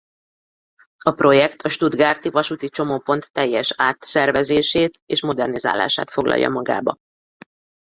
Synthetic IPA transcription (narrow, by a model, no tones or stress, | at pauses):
ɒpro̞jɛkt̪ʰɒʃt̪ud̪ɡaːrt̪ivɒʃut̪it͡ʃo̞mopo̞nt̪ːɛjːɛʃaːt̪sɛrvɛzeːʃeːt̪eːʃmo̞d̪ɛrniza̰ːla̰ːʃa̰ːt̪fo̞ɡlɒ̰jːɒ̰mɒɡa̰ːbɒ